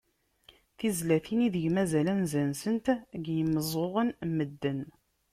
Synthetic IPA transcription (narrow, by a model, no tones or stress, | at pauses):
θizlæθiniðəʝmæzælænzænsənt̪ɡjəməzˤoʁənməd̪ːən